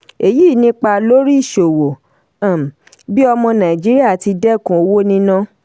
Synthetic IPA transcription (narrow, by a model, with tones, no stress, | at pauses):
e˨ji˦˨nĩ˦k͡pa˧lo˦ɾi˦i˦˨ʃo˨wo˨˦˨ | bi˦ɔ˧mɔ̃˧nã˨i˨d͡ʒi˨˦ɾi˦a˦˨ti˧dɛ˦˨kũ˨˦o˧wo˦nĩ˦nã˦